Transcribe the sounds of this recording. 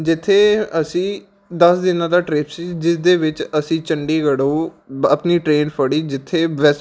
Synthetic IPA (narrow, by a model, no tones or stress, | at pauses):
d͡ʒɪt̪ʰːeːəsĩː | d̪əsd̪ɪnãːd̪aːʈɾeːpsiːd͡ʒɪsd̪eːʋɪt͡ʃəsĩːt͡ʃəɳɖiːɡəɽuːəpniːʈɾeːnpʰəɽiːd͡ʒɪt̪ʰːeːʋɛs